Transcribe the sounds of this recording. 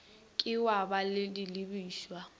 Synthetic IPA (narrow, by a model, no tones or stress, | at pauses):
kʼɪwabalɪdilibiːʃwa